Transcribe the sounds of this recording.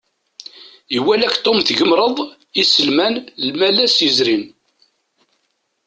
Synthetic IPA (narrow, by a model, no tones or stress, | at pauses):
iwælækt̪ˤːomθʝəmɾˤəðˤ | isəlmænlmælæsjəzɾin